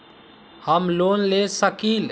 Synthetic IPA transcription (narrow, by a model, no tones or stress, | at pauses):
həmlonlesəkil